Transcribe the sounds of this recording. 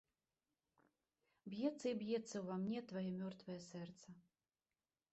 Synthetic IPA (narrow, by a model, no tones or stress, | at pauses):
bjɛt̪sːɐibjɛt̪sːɐwvamnʲɛt̪vajɛmʲɔrt̪vɐjɛsɛrt̪sɐ